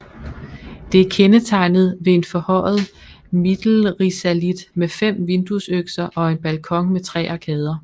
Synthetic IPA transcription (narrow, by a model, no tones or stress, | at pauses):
d̥e̝æɐkʰenət͡sʰɑ̈ɪ̰nð̞̩ˠʋe̝e̝nfɒ̽hɒ̽ɪ̰ð̩ˠ | mid̥l̩ʁisælid̥mefem̰ʋe̝nd̥usøɡ̥sɐʔɒ̽e̝nb̥ælkʰɒ̽ŋmet͡sʰʁɛ̰ːɑ̈kʰɛːð̞ˠɐ